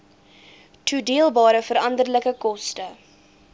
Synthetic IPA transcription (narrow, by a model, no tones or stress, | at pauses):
tʰudiəlˠbɑːɾəfəɾɐndərləkəkɔstə